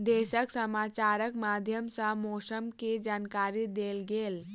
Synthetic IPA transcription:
d̪eːʃəksəmaːt͡ʃaːɾəkmaːd̪ʱjəmsãmoːsəmked͡ʒaːnkaːɾid̪eːlɡeːl

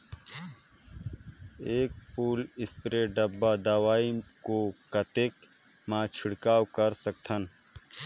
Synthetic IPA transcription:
eːk̚puːlɪspɾeɖəbːad̪awaːikokɐt̪ek | mãːt͡ʃʰɪɽkaːwkəɾsɐk̚t̪ʰən

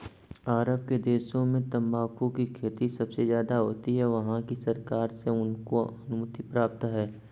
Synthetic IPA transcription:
aːɾəb̚ked̪eːʃõmẽt̪ɐ̃mbaːkʰõkikʰeːt̪isɐbsezjaːd̪aɦoːt̪iɦɛʋɐɦãkisɐɾkaːɾseʊnkoɐnʊmʊt̪ipɾaːp̚t̪ɦɛː

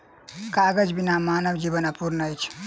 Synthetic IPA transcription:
kaɡəd͡ʒbinamanəbd͡ʒibənapuɾnʌjt͡ʃʰ

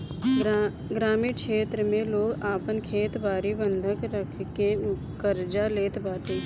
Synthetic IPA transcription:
ɡɾaːmiːkʃeːt̪ɾəmẽloːɡaːpənkʰeːt̪baːɾibə̃nd̪ʱəkɾəkʰkeʊ | kəɾd͡ʒaleːt̪baːʈeː

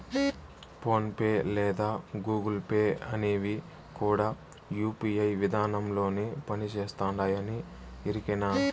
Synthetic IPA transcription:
po̞ːnpeːlɛːd̪aːɡuːɡɐlpeːɐneːʋi | kuːɽaː | juːpiɐjʋid̪ʱaːnɐmlo̞ːneːpɐnit͡ʃeːst̪aːɳɖaːjɐni | iɾikenaː

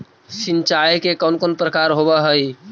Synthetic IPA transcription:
sint͡ʃajkekəʊnkoːnpɾəkaɾɦobəɦəj

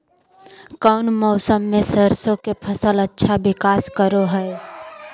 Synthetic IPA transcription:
kəʊnmɔːsəmːẽsəɾsõkepʰəsələtːʃʰabɪkaːskəɾoɦɛe

